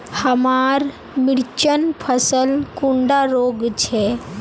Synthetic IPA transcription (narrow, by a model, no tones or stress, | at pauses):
həmaːɾ | mɪɽt͡ʃənpʰəsəlkũɳɖaɾoːɡt͡ʃʰɛ